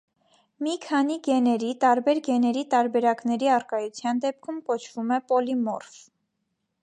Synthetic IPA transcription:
mikʰɑniɡɛnɛɾit̪ɑɾbɛɾɡɛnɛɾit̪ɑɾbɛɾɑkn̪ɛɾiɑrkɑjut͡sʰjɑnd̪ɛp̚kʰumkɔt͡ʃʰv̥umɛpɔlimɔ̰rf

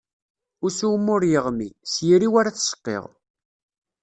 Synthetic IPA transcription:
ʊɾsuwmːʊɾjəʁmisjiɾiwaɾaθsə̥qːḛʁ

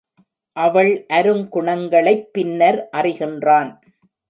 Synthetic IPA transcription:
ʔɐʋɐɭʔɐɾɯmkʊɳɐŋɡɐɭɐɪpːɪnːɐɾʔɐrɪɣɪndraːn

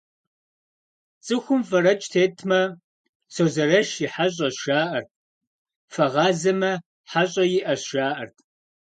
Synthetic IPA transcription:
t͡sʼɨxʷʊmfɐɾɐt͡ʃʼtʰeːtʰmɐ | soːzɐɾɐʃjɪħaɕ̬ʼɐʃaːʔɐrt̚ʰʼ | fɐʁɑːzɐmɐ | ħaɕʼɐjɪʔɐʃaːʔɐrtʰʼ

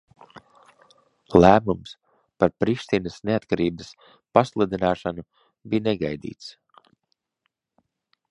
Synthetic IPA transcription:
læːmums | paɾpɾiʃt̪inəsneat̪kaɾiːbəs | paslˠud̪inaːʃanu | bijneɡajd̪ḭːt̪s

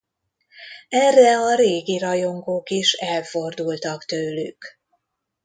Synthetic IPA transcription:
ɛrːɛɒɾeːɡiɾɒjo̞ŋɡoːkiʃɛlfo̞rd̪ult̪ɒkt̪øːly̰k

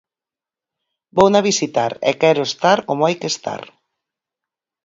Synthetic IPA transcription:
bownaβ̞isit̪aɾɛ̰kɛɾʊest̪aɾkomoajkest̪a̰ɾ

